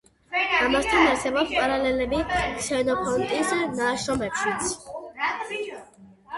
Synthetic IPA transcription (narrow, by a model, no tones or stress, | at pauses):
amast̪ʰanaɾsɛbɔpspʼaɾalɛlɛbiksɛnɔpʰɔnt̪ʼisnaʃnɔmɛpʰʃit̪sʰ